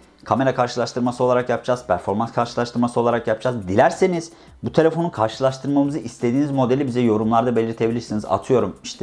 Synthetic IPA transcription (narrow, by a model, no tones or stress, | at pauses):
kʰame̞ɾakʰaɾʃɯlˠaʃt̪ɯɾmasɯo̞lˠaɾakjapd͡ʒaz̥pʰæɾfo̞ɾmanskʰaɾʃɯlˠaʃt̪ɯɾmasɯo̞lˠaɾakjapd͡ʒazd̪ilʲæɾseniz̥ | but̪ʰe̞lʲe̞fo̞nukʰaɾʃɯlˠaʃt̪ʰɯɾmamɯzɯʔist̪ʰe̞d̪iːnizmo̞d̪e̞lʲibizɛjo̞ɾumlˠaɾd̪abe̞lʲiɾt̪ʰe̞bilʲiɾsiniza̰t̪ʰɯjo̞ɾumiʃt̪ʰɛ